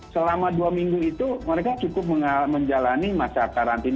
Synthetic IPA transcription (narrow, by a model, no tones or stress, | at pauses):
səlamaduamiŋɡuit̪uməɾekat͡ʃukʊp̚məməɲd͡ʒalanimasakaɾant̪in